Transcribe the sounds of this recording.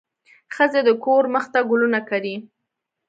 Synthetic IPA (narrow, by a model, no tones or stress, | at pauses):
xəzed̪əkoɾməxt̪aɡʊlunakaɾi